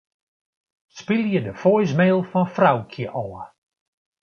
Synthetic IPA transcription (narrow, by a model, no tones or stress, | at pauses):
spɪlˠjədəfɔjs̬meːlˠfɔnfrawkʰjəʔɔːə